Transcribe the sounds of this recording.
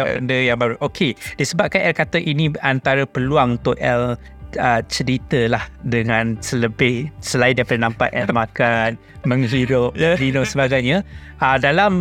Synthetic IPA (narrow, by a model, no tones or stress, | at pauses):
ndəjaŋbaɾuʔokʰediəsəbap̚kanɛlkat̪əʔiniant̪aɾəpəluaŋunt̪ʊʔʔɛl | ət͡ʃəɾit̪əlahdəŋãnsələbɪhsəlaidiapadanampa̰ʔʔɛlmãkan | mə̃ŋɦiɾʊp̚linoʔsəbaɡajɲa | ʔədalam